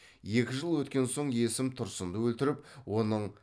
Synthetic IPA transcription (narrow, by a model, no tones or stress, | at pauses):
je̞kʲɪʒəlˠwɵt̪kʲe̞nso̞ɴe̞sɪmt̪ʰʊɾsənd̪əwɵlt̪ɪɾɪpwo̞nəɴ